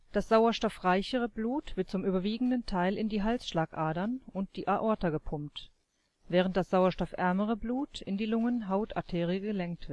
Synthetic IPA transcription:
d̥asz̥aʊɐʃtɔfʁaɪçəʁ̞əbluːtv̥ɪɐt̚t͡sʊmʔyːbɐviːɡŋ̩dəntʰaɪlɪndiːɦalsʃlaːkʔaːdɐnʊnt̚d̥iːʔaʔɔɐtɐɡəpʰʊmt | v̥ɛːʁ̞əntd̥asz̥aʊɐʃtɔfʔɛɐməʁ̞əbluːtɪndiːlʊŋənɦaʊtʔa̰tʰeːʁiəɡəlɛŋk̚tv̥ɪɐt

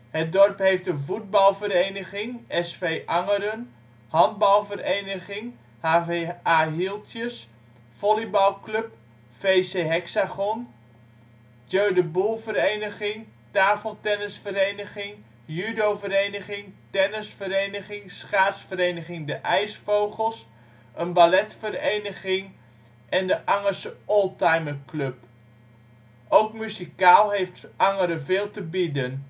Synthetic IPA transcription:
hət̚dɔrpɦejftəvud̚bɑlˠvəɾejnəχɪŋɛsfejʔɑŋəɾən | hɑnd̚bɑlˠvərejnəχɪŋ | haːaːɦilˠtʰjəs | fɔlibɑlˠklɵp | fejseːɦɛksaχɔn | jøːdəbulˠvərejnəχɪŋ | taːfəlˠtɛnəsfəɾejnəχɪŋ | jydowvəɾejnəχɪŋtɛnəsfəɾejnəχɪŋsχaːtsfəɾejnəχɪŋdəʔɛjsfowχəlˠs | ənbalɛtfərejnəχɪŋ | ʔɛndəʔɑŋəsʔɔlˠtajməklɵp | ʔowkmyzikaːlˠɦejftʔɑŋəɾəveːlˠtəbidən

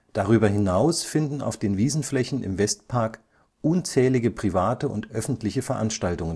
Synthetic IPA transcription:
d̥aʁ̞yːbɐɦɪnaʊsfɪndn̩a̰ʊfd̥eːnviːzn̩flɛçn̩ɪ̰mvɛstpʰaɐk | ʔʊnt͡sɛːlɪɡəpʁ̥ivaːtəʊ̰ntʔœfn̩tʰlɪçəfɛɐʔanʃtaltʊŋən

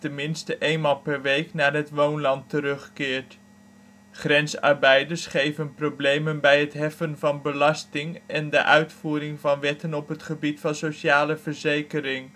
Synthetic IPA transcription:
tɛnmɪnstəʔejnmaːlˠpɛɹʋejknaːɹɦətʋownlɑntəɾɵχkɪːɹt | χrɛnsɑ̰ɹbɛjdəɹsχejvənprowblejmənbɛjɦətɦɛfənvɑnbəlɑstɪŋɛndə̰ʔœɥtfuːɾɪŋvɑnʋɛtənɔpɦətχəbitfɑnsoʃaːləvəɹzejkəɾɪŋ

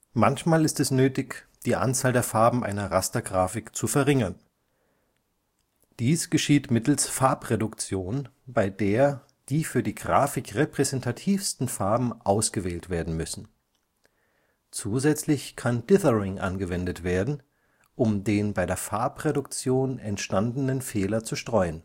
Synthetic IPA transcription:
mançmaːlɪstɛsnøːtɪçd̥iːʔa̰nt͡saːldeːɐfaɐbm̩ʔa̰ɪnɐʁastɐɡʁaːfɪkt͡sufɛɐʁɪŋɐn | d̥iːsɡ̥əʃiːtmɪtl̩sfaɐpʁedʊkt͡sjoːnbaɪdeːɐ | d̥iːfyːɐdiːɡʁaːfɪkʁepʁ̥ɛzɛntʰatʰiːfstn̩faɐbm̩ʔaʊsɡ̥əvɛːltv̥eːɐdn̩mʏsn̩ | t͡suːzɛt͡slɪçkʰandɪθəʁɪŋʔa̰nɡəvɛndətv̥eːɐdn̩ | ʔʊmdeːnbaɪɾeːɐfaɐpʁedʊk̚t͡sjoːnɛntʃtandənənfeːlɐt͡suʃtʁ̥ɔʏən

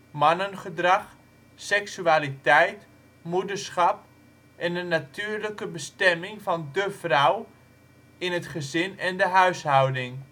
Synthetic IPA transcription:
mɑnənχədrɑχ | sɛksyaːlitɛjt | mudəɹsχɑp̚ | ʔɛndənatʰyːəɹləkəbəstɛmɪŋfɑndəfraw | ɪnətχəzɪnɛndəɦœɥshawdɪŋ

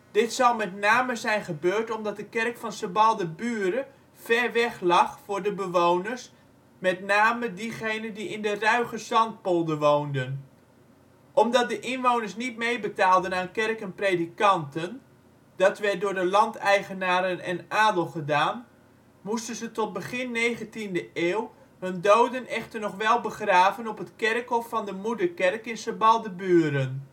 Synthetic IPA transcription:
d̥ɪtsɑwmɛtnaːməzɛjnχəbøːɹtɔmdɑt̚dəkɛrkfɑnsəbɑlˠdəbyːɾə | fɛrʋɛχlɑχfʊːɹdəbəʋownəɹs | mɛtnaːmədiχejnəndiɪndərœɥχəsɑnt̚polˠdəʋowndən | ʔɔmdɑt̚dəʔɪnʋownəɹsnit̚mejbətaːlˠdənaːnkɛrkənprejdikɑntən | d̥ɑtʋɛt̚dʊːɹdəlɑntɛjχənaːɾənɛnaːdəlˠχədaːn | mustənzətɔt̚bəχɪnːejχəntindəeːw | hɵndowdənɛχtərnɔχʋɛlˠbəχraːvənɔpətkɛrkɦɔfːɑndəmudəɹkɛrkɪnsəbɑlˠdəbyːɾən

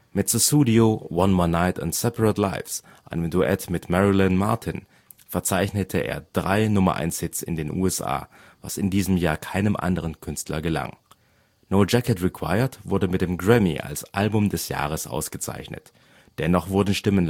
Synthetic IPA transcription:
mɪtsosuːdiowɔnmɔɐnaɪtʊ̰ntsɛpəʁətlaɪfs | ʔaɪnəmduʔɛ̰tmɪtmɛʁilɪnmaɐtʰɪn | fɛɐt͡saɪçnətʰəʔḛːɐd̥ʁaɪnʊmɐ̰ʔa̰ɪnshɪtt͡sɪ̰ndeːnʔṵːɛsʔa̰ː | va̰sɪndiːzəmjaːɐkʰaɪnəmʔa̰ndəʁ̞ənkʰʏnstlɐ̰ɡəla̰ŋ | noʊd͡ʒɛkətʁikʰw̥a̰ɪətv̥ʊɐdəmɪt̚d̥eːmɡʁɛmḭʔa̰lsʔalbʊmdɛsja̰ːʁ̞əsʔa̰ʊsɡ̥ət͡sa̰ɪçnə̰t | d̥ɛnɔχv̥ʊɐdn̩ʃtɪmən

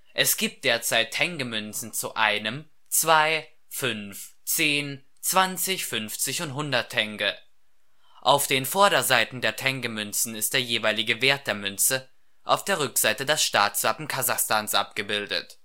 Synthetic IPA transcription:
ʔɛsɡ̥iːp̚t̚d̥eːɐt͡saɪtʰːɛŋɡəmʏnt͡sn̩t͡suʔaɪnəm | t͡sv̥aɪ | fʏnf | t͡seːn | t͡sv̥ant͡sɪçfʏnft͡sɪçʊntɦʊndɐtʰːɛŋɡə | ʔaʊfd̥eːnfɔɐɾɐzaɪtn̩deːɐtʰɛŋɡəmʏnt͡sn̩ɪst̚d̥eːɐjeːvaɪlɪɡəveːɐt̚d̥eːɐmʏnt͡sə | ʔa̰ʊfd̥eːɐʁʏkz̥aɪtədɛsʃtaːtsv̥apm̩kʰazaχstaːnsʔa̰p̚ɡ̥əbɪldə̰t

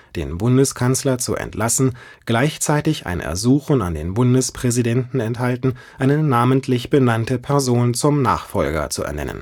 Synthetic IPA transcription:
d̥ḛːnbʊndəskʰanslɐt͡sṵʔɛ̰ntlasn̩ | ɡ̥laɪçt͡saɪtɪça̰ɪnʔɛ̰ɐzuːxn̩a̰ndeːnbʊndəspʁ̥ɛzidɛntn̩ɛnthaltn̩ | ʔaɪnənaːməntʰlɪçb̥ənantəpʰɛɐzoːnt͡sʊmna̰ːχfɔlɡɐ̰t͡suɛ̰ɐnɛ̰nə̰n

